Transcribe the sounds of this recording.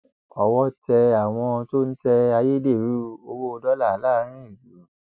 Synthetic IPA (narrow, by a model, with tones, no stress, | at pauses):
ɔ˨wɔ˦tɛ˧a˨w̃ɔ̃˧to˦n̩˦tɛ˧a˧je˦de˦˨ɾu˨˦o˧wo˦˧dɔ˦la˦˨la˦˧˦ɾ̃ĩ˦i˨lu˨˦